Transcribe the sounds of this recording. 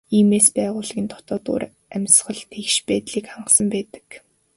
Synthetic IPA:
iːmeːspæːʁʊːɮɣʲiːnt̪ʰʊ̥t̪ɔːt̪ṵːɾ | æmʲsχə̆ɮt̪ʰexʃpæːt̪ɮiːkχaɴɢə̆sə̆mpæːt̪ə̥̆k

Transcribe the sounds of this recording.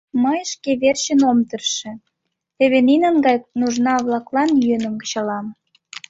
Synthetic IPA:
məjʃkeβerɕə̆nomt̪ə̆rʃĕ | t̪eβeninənɡɑjnuʒnɑβlɑklɑnjønə̆mɡə̆t͡ɕɑlɑm

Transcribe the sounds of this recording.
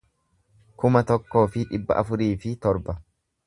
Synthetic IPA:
kʊmɐt̪ɔkːo̞ːfɪᶑɪbːɐ̰ʔɐfʊɾiːfɪt̪ɔɾbɐ

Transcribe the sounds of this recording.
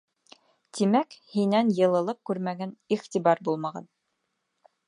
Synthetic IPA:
t̪imækhinænjɤ̆lˠɤ̆lˠɤp̚kʉɾmæɡæniχt̪ibɑɾbulˠmɑʁɑ̰n

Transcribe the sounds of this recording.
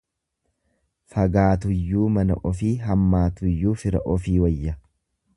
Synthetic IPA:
fɐɡaːt̪ʊjːuːmɐnɐ̰ʔɔfiːɦɐmːaːt̪ʊjːuːfɪɾɐ̰ʔɔfiːwɐjːɐ

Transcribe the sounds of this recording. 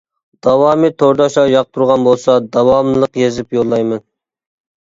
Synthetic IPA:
d̪̥ɑwɑːmɨt̪ʰoɾd̪ɑʃɑjɑq̚t̪ʰuɾʁɑnbolˠsɑd̪ɑwɑmlˠəqjezɪpjolˠːɑjmɨn

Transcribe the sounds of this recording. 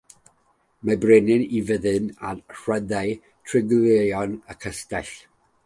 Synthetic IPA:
mabrenɨnivəðɨnanr̥wɛðaɨ | tʰrɪɡleɔnəkʰəstɛɬ

